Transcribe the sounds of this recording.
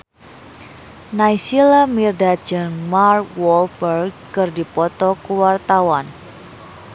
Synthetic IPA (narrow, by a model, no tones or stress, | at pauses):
najsilamirdḁd͡ʒəŋmarkwɔlbərɡ | kɨrdipɔt̪ɔkuwart̪awan